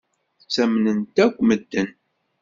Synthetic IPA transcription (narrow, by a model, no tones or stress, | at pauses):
t͡sːæmnənt̪ækʷːməd̪ːən